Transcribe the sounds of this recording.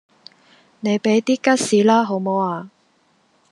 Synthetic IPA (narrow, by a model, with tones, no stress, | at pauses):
ne˨˧jpe˨˥jt̪iː˥kɐ˥t̚siː˨˥laː˥ɦo˨˥wmo˨˧waː˧